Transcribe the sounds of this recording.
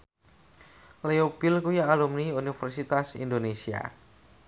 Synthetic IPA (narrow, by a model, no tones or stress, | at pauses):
leopɪlkujaːlumniunifɛrsit̪asḭndonesia̰